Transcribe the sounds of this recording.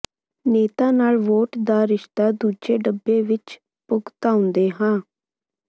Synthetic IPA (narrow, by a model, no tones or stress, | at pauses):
neːt̪aːnaːlʋoːʈd̪aːɾɪʃt̪aːd̪uːd͡ʒeːɖəbːeːʋɪt͡ʃ | pʊɡt̪aːʊ̃nd̪eːɦãː